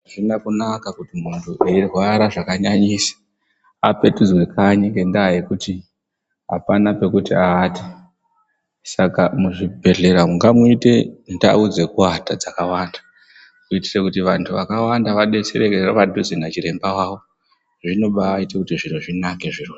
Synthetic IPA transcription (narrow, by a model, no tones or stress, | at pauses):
ʐinakunakakutimuntʰuʔeirwaɾaʐakaɲaɲisḁ | ape̞tud͡zwe̞kʰaɲeŋɡendaːjekuti | ɦa̰panape̞kutiaːti̥ | sakamuʐibʱe̞ɮe̞ɾamuŋɡamuite̞nda̰ud͡zekuwatad͡zakawaːndḁ | kuiti̥rekutiʋantʰuʋakawandaʋaɗe̞seɾekeroʋadʱud͡zinat͡ʃiɾe̞mbawaːwo̞ | ʐino̞ɓaːitekutiʐin̤uʐinake̞ʐiru